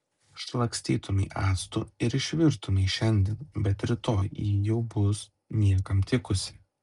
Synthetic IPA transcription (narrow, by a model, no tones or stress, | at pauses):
ʃlˠɐksʲt̪ʲiːt̪ʰʊmʲɛɪʔæːst̪ʊɪɾɪʃʲʋʲɪɾt̪ʊmʲɛɪʃʲɛnʲd̪ʲiɛnbʲɛt̪ɾʲɪt̪oːjiːjɛʊbʊs | nʲiɛkɐmt̪ʲɪkʊsʲɪ̥